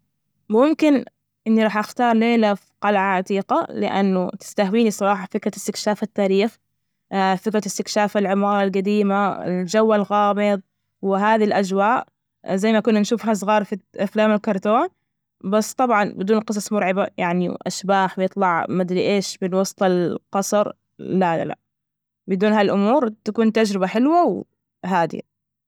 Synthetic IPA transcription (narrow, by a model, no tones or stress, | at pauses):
mʊmkɪn | ʔɪnːiɾˤɑːħʔaxt̪ɑːɾˤneːlafqɑlʕaʕat̪iːqalɪ̰ʔa̰nːʊt̪ɪ̥st̪ahwiːnisˤɑɾˤɑːħɑfɪkɾaɪst̪ɪkʃaːfat̪ːaːɾiːx | fɪkɾaɪst̪ɪkʃaːfalʕɪmɑːɾˤɑlɡad̪iːmaɪ̰ld͡ʒawːalɣɑːmɨðˤ | wɪɦaːðilʔad͡ʒwaːʔ | zajːmakʊnːanʃuːfɦas̬ˤɣɑːɾˤfiʔaflaːmɪlkɑɾˤt̪oːn | basːt̪ˤɑbʕɑnbɪd̪uːnqɨs̬ˤɑsˤmʊɾʕɪbajaʕnḭʔa̰ʃbaːħwɪjɨt̪ˤlɑʕmɪd̪lʔeːʃbɪnwɑst̪ˤɑlqɑsˤɾˤ | lala̰la̰ | bɪd̪uːnhalʔʊmuːɾt̪akuːnt̪ad͡ʒɾɪbaħɪlwaw | ɦaːd̪ɪ̰